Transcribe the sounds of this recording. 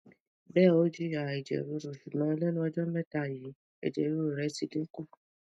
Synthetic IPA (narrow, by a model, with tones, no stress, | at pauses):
bɛ˦˨o˨˦d͡ʒu˦ja˨i˨d͡ʒɛ̰˨ɾo˨˧˦ɾo˨ʃu˨mã˨˦lɛ˦nũ˦ɔ˧d͡ʒɔ˦mɛ˦ta˦˨ji˨˦ | ɛ̰˨d͡ʒɛ̰˨ɾo˧˦ɾo˨ɾɛ˨˦si˧ɡĩ˦ku˦˨